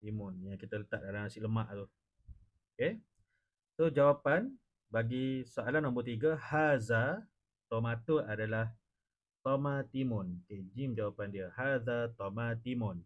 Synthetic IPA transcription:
t̪imɔnjaŋkit̪ələt̪aʔ̚dalanasɪʔləmaʔt̪u | oke | sod͡ʒawapan | baɡisoalanːɔmbərt̪iɡəhaza | t̪omat̪uadalah | t̪omat̪imɔnoked͡ʒimd͡ʒawapandiəhazat̪omat̪imɔn

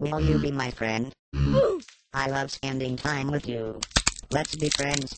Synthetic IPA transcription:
wɪlˠjɨbimaɪfɹɛ̃nd̥ | aɪlʌv̥spæ̃ndɪ̃ŋtʰãɪ̃mwɨðjulɛtsb̥ifɹɛ̃ndz̥

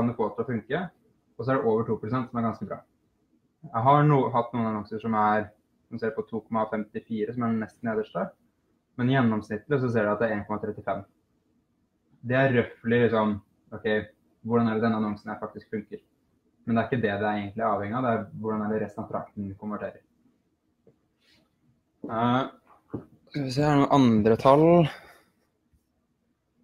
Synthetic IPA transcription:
ɑnd̪ɛfoːt̪ʰɪlɔfʉŋkə | ɔs̬ɔæɖɛʔoːʋəʈʰuːpɾʊsɛnt̪sɔmæɾɡɑnskəbɾɑ̰ː | jæɦɑɳuːəɦɑt̪ːnuːənɑnɔŋsəʂɔmæɾ | snseːɾpɔt̪ʰuːkʰɔmːɑfɛmt̪ɪfiːɾəsɔmænɛst̪neːd̪əʂʈɑː | mɛnɪjɛnːɔmsnɪt̪ːləs̬ɔs̬eːɖɛæɑt̪d̪æɾeːnkɔmɑt̪ʰɾɛt̪ːɪfɛmː | d̪ɛæɾːœflɪlɪksɔm | ɔkʰɛɪ | ʋʊɖɑnæɖɛd̪ɛnːəɑnɔŋsn̩jæɪfɑkt̪ɪskfʉŋkəɾ | mɛnd̪ɛæɾɪkːəd̪ɛd̪ɪæɾeɪɡənt̪lɪæɾɑːʋhɛŋːɪɑʋd̪ɛæɾʋʊɖɑnæɖɛɾɛst̪nɑʋt̪ʰɾɑ̰k̚t̪n̩kʰʊmʋæʈʰeːɾəɾ | ɪs̬ɛɳuːʔɑnd̪ɾət̪ʰɑl

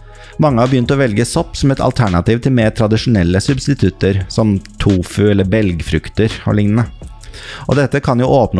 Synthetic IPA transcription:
mɑŋːəhɑbəjʏnt̪əɔʋɛlɡəsɔpːsɔmɛt̪ʰɑ̰lt̪ʰæɳɑt̪iːʋt̪ʰɪlmeːɾt̪ʰɾɑd̪ɪʂʊnɛlːəsʉbst̪ɪt̪ʰʉt̪ːəɾsɔmt̪ʰuːfʉɛlːəbɛlɡfɾʉkt̪əɾɔ̰ɭɪŋnənə | ʔɔ̰d̪ɛt̪ːəkʰɑnjʊʔoːpnə

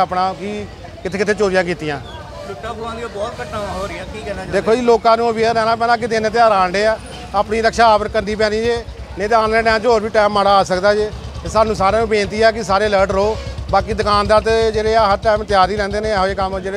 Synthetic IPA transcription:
əpnãːki | kɪt̪ʰeːkɪt̪ʰeːt͡ʃoːɾɪjãːk̬iːt̪ijãː | lʊʈːãːkoãːd̪ioːbɔːt̪kəʈnãːɦoɾãːkiːkɛːnaːd̪eːkʰoːd͡ʒiːloːkãːnũːʋiːɾɛːnãːp̬ɛːlãːk̬ɪd̪eːneːt̪̬eaːɾaːɳɖeːɛː | aːpniːɾəkʃaːaːpəɾkənd̪iːp̬ɛ̃ːniːd͡ʒeː | neːt̪eãːneːnɛ̃ːd͡ʒoːɾʋiːʈɛːmːaːɽaːaːsəkd̪aːd͡ʒeːt̪eːsaːnũːsaːɾãːbẽːnt̪iːɛːkɪsaːɾeːələːɾʈɾoːbaːkiːd̪əkaːnd̪aːt̪ed͡ʒeːɽeːɦəɾʈɛːmt̪jaːɾiːɾɛ̃ːnd̪eːnẽːɦeːkəmd͡ʒeːe

